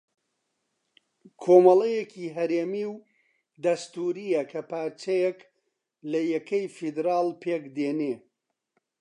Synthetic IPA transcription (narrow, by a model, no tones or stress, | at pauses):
kʰoːmɐlˠejekʰiːɦɐɾeːmiw | d̪ɐst̪uːɾijɐkʰɐpaːɾt͡ʃɐjek | lɐjɛkʰɐjfid̪ɾaːlˠpʰeːkd̪eːne